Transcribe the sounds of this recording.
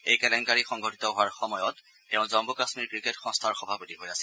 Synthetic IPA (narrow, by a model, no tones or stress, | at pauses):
ejkɛlɛnkaɹixɔŋɡʱɔtitɔɦoaɹxɔmɔjɔtː | eʊ̃zɔmbɔkasmiɹkɹiketxɔ̃ŋstʰaɹxɔbʱapɔtiɦojasɛ̥